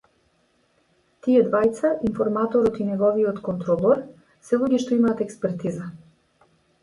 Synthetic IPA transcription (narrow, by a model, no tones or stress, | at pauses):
t̪iɛd̪vajt̪saʔinfɔɾmat̪ɔɾɔt̪inɛɡɔviɔt̪kɔnt̪ɾɔlˠɔɾ | sɛlˠuɡɛʃt̪ɔimaːt̪ɛkspɛɾt̪iza